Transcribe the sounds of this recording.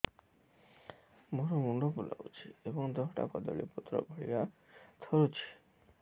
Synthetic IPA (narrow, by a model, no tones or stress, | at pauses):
moɾomuɳɖopula̰ut͡ʃʰiebɔŋd̪ɔɦʈa̰kɔd̪ɔ̰ɭḭput̪ːɾɔ̰bʱɔɭḭɾat̪ʰɔɾut͡ʃʰi̥